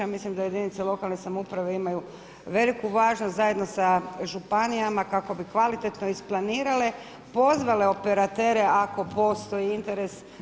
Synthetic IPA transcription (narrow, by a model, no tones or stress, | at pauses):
amislimd̪aje̞d̪init̪selˠo̞kalˠnesamoupɾaʋeimaju | ʋe̞likuʋaːʒnost̪zaje̞d̪no̞saʒupanijamakako̞bikʋalit̪e̞t̪no̞isplˠaniːɾale̞ | po̞zʋale̞o̞pe̞ɾat̪e̞ːɾe̞ako̞po̞st̪o̞jiint̪e̞ɾe̞s